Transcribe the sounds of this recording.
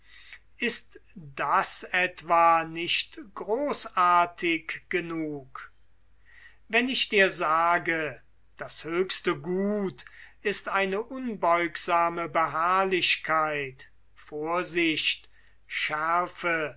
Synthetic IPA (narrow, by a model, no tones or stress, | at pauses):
ʔɪstd̥asɛtv̥anɪʃtɡ̥ʁoːsaɐtʰɪkɡ̥ənuːk | vɛnɪʃd̥iːɐzaːɡə | d̥ashøːkstəɡuːtɪstʔaɪnəʔʊnbɔʏkz̥aːməbəɦaɐlɪɕkʰaɪt | foːɐzɪɕt | ʃɛɐfə